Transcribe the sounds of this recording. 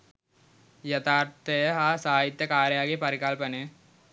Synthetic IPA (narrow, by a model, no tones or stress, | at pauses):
jɐt̪ʰaːrt̪ejɐɦaːsaːjit̪ːɐkaːɾɐjaːɣipɐɾiɣaːlpɐnɨ